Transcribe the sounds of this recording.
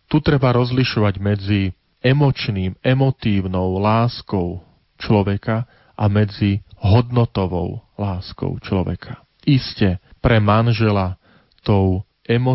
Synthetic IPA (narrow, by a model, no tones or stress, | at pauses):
t̪ut̪ɾɛbaɾɔzliʃɔʋaɟmɛd͡zi | ɛmɔt͡ʃniːmɛmɔt̪iːʊnɔʊlaːskɔʊ | t͡ʃlɔʋɛka | ʔamɛd͡ziɦɔd̪nɔt̪ɔʋɔ̰ʊlaːskɔ̰ʊt͡ʃlɔʋɛ̰kʰḁ | ʔiscɛpɾɛmanʒɛla | t̪ɔʊ | ʔɛmɔ